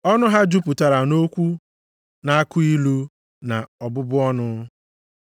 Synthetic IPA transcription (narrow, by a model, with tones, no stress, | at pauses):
ɔ˦nʊ˦ɦa˦d͡ʒu˦pʊ˨ta˨ɾa˨no˦kʷu˦ | na˨a˦kʊ˦i˦lu˦ | na˨ɔ˨bʊ˦bʊ˦ɔ˦nʊ˦